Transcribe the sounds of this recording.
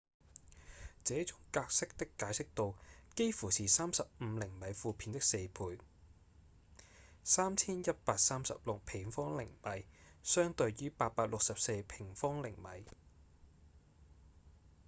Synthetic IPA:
t͡sɛː˨˥t͡sʊ˨˥ŋkaː˧k̚sɪ˥k̚t̪ɪ˥kːaː˨˥jsɪ˥k̚t̪o˧wke˥jfuː˨˩siː˨saː˥msɐ˨p̚m̩˨˧lɪ˨˩ŋmɐ˨˥jfuː˧pʰiː˨˥nt̪ɪ˥kse˧jpʰuː˧j | saː˥mt͡sʰiː˥njɐ˥t̚paː˧k̚saː˥msɐ̰˨p̚lʊ˨k̚pʰɪ˨˩ŋfɔː˥ŋlɪ̰˨˩ŋmɐ˨jsœː˥ŋt̪ɵ˧ɥjyː˥paː˧t̚paː˧k̚lʊ˨k̚sɐ˨p̚se˧jpʰɪ˨˩ŋfɔː˥ŋlɪ˨˩ŋmɐ̰˨˥j

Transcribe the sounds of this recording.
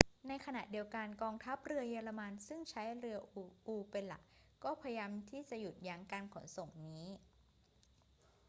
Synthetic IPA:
na˧jkʰa˧na̰˨˩ʔdi˧əwka˧nkɔː˧ŋt̪ʰa˦˥p̚ɾɯ˧ɐjaː˧la˧ma˧nsɯ˥˩ŋt͡ɕʰa˦˥jɾɯ˧ɐʔʔuː˧pe˧nla̰˨˩kkɔː˥˩pʰa˧jja˧mt̪ʰiː˥˩t͡ɕa˨˩ʔju˨˩t̪̚ja˧ŋkaː˧nkʰo˩˦nso˨˩ŋniː˦˥

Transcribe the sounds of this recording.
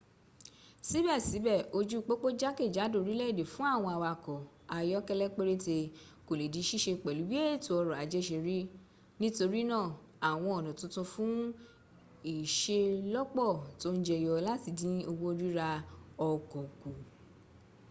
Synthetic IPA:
si˨˦bɛ˦˨si˨˦bɛ˦˨o˧d͡ʒu˦˧k͡po˦k͡po˦d͡ʒa˦ke˦˨d͡ʒa˨˦do˦˨ɾi˦lɛ˦i˦˨de˨fũ˦a˦˨w̃ɔ̃˧a˧wa˧˨kɔ˨ | a˧jɔ˦kɛ˦lɛ˦k͡pe˦ɾe˦te˧ | ko˨le˨di˨˦ʃi˦˨ʃe˧˨k͡pɛ˨lu˨˦bi˦e˦˨tu˨ɔ˧ɾɔ˨a˨d͡ʒɛ˦ʃe˧ɾi˦ | nĩ˦to˧ɾi˦nã˦˨ | a˨w̃ɔ̃˧ɔ˨nɔ̃˨tũ˧˦tũ˧fũ˦ | i˨ʃe˧lɔ˦k͡pɔ˦˨to˨˦n̩˦d͡ʒɛ˧˨jɔ˧la˦ti˧˨dĩ˦o˧wo˦ɾi˦ɾa˧ɔ˧kɔ˨ku˨

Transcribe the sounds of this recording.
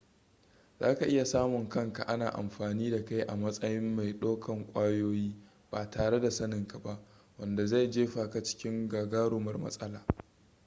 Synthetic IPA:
zaː˦ka˨ʔɪ˦ja˨saː˦mʊ˨ŋkɐ˦ŋka˨ʔa˦naː˨ʔa̰˨mɸaː˨niː˦da˨ka˦jʔa̰˨mɐ˦sʼɐ˦jɪ˦mːa˨jɗoː˦kʰɐ˨ŋkʷʼaː˦joː˦jiː˦ | b̥aː˨taː˨ɽe˦da˨sɐ˦nɪ˨ŋka˨ba˦ʔ | wɐ˨nda˨za˦˨jd͡ʒeː˦ɸaː˨ka˨t͡ʃɪ̥˦kʲɪ˦ŋɡaː˨ɡaː˦ɽʊː˨mɐ˦rmɐ̰˦sʼɐ˦laː˨

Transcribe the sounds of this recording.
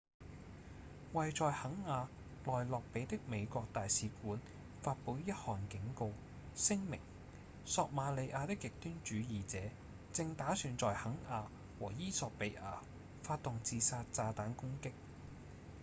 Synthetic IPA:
wɐ˨jt͡sɔː˨jhɐ˨˥ŋaː˨˧ | lɔː˨jlɔː˨k̚pe˨˧jt̪ɪ˥k̚me˨˧jkʷɔː˧k̚t̪aː˨jsiː˨˧kuː˨˥n | faː˧t̚pu˨˧˥wjɐ˥t̚hɔː˨˩nkɪ˨˥ŋko˧w | sɪ˥ŋmɪ̰˨˩ŋ | sɔː˧k̚maː˨˧le˨˧jʔaː˧t̪ɪ˥k̚jɪ˨k̚t̪yː˥nt͡ʃyː˨˧jiː˨t͡sɛː˨˥ | t͡sɪ˧ŋt̪aː˨˥syː˨˧nt͡sɔː˨jhɐ˨˥ŋʔaː˧ | wɔ̰ː˨˩jiː˥sɔː˨˧k̚pe˨˥jʔa̰ː˧ | faː˧t̚t̪ːʊ˨ŋt͡siː˧saː˧t̚t͡saː˧t̪aː˨˥nkʊ˥ŋkɪ˥k̚

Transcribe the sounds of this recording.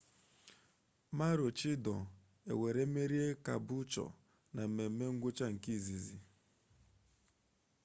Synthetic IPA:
ma˦ɾʊ˨t͡ʃi˦dɔ˨ | ḛ˨we˨ɾe˦me˦ɾi˦e˦ka̰˨bʊ˦t͡ʃɔ̰˨ | na˨m̩˨me˨m̩˦me˦ŋ̩˦ɡʷʊ˦t͡ʃa˦ŋ̩˨ki˦˨zi˨zi˨

